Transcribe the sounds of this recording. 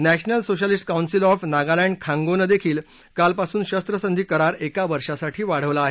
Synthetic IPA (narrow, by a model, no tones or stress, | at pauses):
næɕnəlsoɕəlisʈ̚kawnsilɔfnaɡalɛ̃ɳɖkʰãŋɡonəd̪ekʰiːl | kalpasuːnɕəst̪ɾəsənd̪ʱiːkəɾaɾekaʋəɾʂasaʈʰiːʋaɽ̤əʋlaːɦe